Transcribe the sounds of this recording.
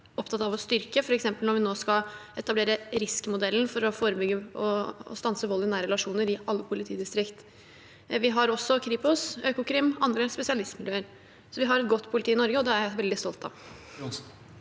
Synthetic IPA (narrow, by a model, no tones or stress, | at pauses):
ɔpt̪ɑt̪ɑʋɔst̪ʏɾkəfɔɾɛksɛmpəlɔɾʋɪnoːskɑɛt̪ɑbleːɾəɾɪskmʊd̪ɛlːn̩fɔɾɔfoːɾəbʏɡːəɔ̰st̪ɑnsəʋɔlːɪnæːɾɛlɑʂuːnəɾɪʔɑlːəpʰʊlɪt̪ʰiːd̪ɪst̪ɾɪkt̪ | ʋɪɦɑɾɔsːɔkʰɾiːpʊsøːkʊkɾɪmʔɑnd̪ɾəspɛsɪɑlɪst̪mɪljøːəɾ | sɔʋɪɦɑɾɛt̪̚ɡɔt̪ːpʰʊlɪt̪iːɪnɔɾɡəɔd̪ɛæɾæʋɛld̪ɪst̪ɔlt̪ɑ̰ʋ